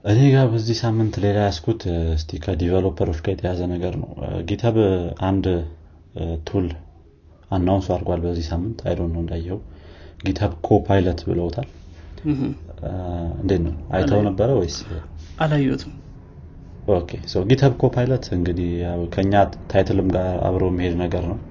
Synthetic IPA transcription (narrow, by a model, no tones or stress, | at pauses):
ʔɨne̞ɡabəzːihsamːɨnt̪le̞lajaskʰut̪ɨst̪ʰikʰəd̪ivəlopʰəɾo̞t͡ʃːkʰajɛt̪ʰəjazənəɡəɾnə̰wɡit̪ʰəβand̪ | t̪ʰul | anːawnsuaɾɡʷalbəzːihsamːɨnt̪ʰa̰jlonːəwɨnd̪ajːɛhəwɡit̪ʰəβkʰo̞pʰajlət̪bɨ̰ləwt̪ʰal | ɨ̰nd̪et̪nəwnʔa̰jt̪ʰəwnəbːəɾəwɔjsialajot̪ʰɨm | ʔokʰe̞səwɡit̪ʰəβkʰo̞pʰajlət̪ɨŋɡɨd̪ihakʰəɨɲːat̪ʰajt̪ʰɨlɨmɡaɾa̰βɾojɛmːihe̞d̪nəɡəɾnəw